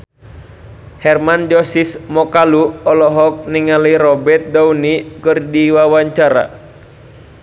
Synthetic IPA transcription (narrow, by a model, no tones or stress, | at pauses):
hɛrmand͡ʒɔsismɔkaluɔlɔɦɔk̚niŋaliɾɔbɛrt̪̚dawnikɨrdiwawaɲt͡ʃaɾa̰